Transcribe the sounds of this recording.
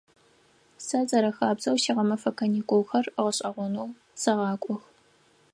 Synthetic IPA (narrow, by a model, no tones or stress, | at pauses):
sɐzʼɐɾɐxaːbzɐwʃiʁɐmɐfɐkʰɐnikʷʼowxɐrʁəɕʼɐʁʷʊnow | sɐʁɑːkʷʼɔx